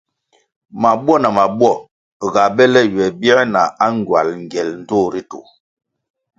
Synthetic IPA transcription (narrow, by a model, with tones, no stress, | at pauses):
ma˨bwɔ˦˨na˨ma˨bwɔ˦˨ | ɣa˨bɛ˦lɛ˦ɥɛ˨bjɛ˦na˨a˦ŋ˨ɡwa˨lŋ˨ɡɛ˨ln̩˦to˦˨ɾi˦tṵ˨